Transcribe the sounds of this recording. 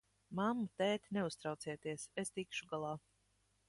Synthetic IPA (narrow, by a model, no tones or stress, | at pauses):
mamːut̪ɛːt̪ʲneust̪ɾawt̪siɛt̪iɛsest̪ikʃuɡalˠaː